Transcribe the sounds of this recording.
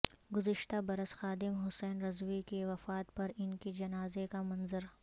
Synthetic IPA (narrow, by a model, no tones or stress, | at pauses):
ɡʊzɪʃt̪abɐɾəsxaːd̪ɪmɦʊsɛːnɾɐzwikeʋɐfaːt̪̚pɐɾɪnked͡ʒɐnaːzekamɐ̃nzəɾ